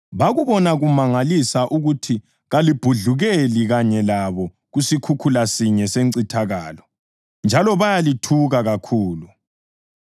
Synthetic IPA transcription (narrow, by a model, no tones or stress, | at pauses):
βaɣuβɔnaɣumaŋalisaʔuɣutʰi | ɣalib̥ʱuɮuɣeliɣaɲɛlaβɔ | ɣusikʰukʰulasiɲɛseǀitʰaɣaːlɔ | nd͡ʒʱalɔβajalitʰuɣaɣakʰuːlu